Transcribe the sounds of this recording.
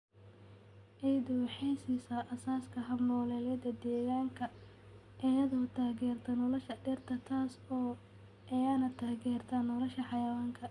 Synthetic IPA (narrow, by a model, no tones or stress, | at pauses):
ʔɛjd̪ʊwħɛjsisɐʔɐsaːskʰɐɦɐmɔlɛːlɐd̪ɐd̪ɛːɣaːŋkʰɐ | ʔɛjɐðɔːt̪ʰaːɣɛːrt̪ʰɐnɔlɐʃɐɖɛrt̪ʰɐt̪ʰaːsɔː | ʔɛjanɐt̪ʰaːɣɛːrt̪ʰɐnɔlɔʃɐħɑjɐwaːŋkʰɐ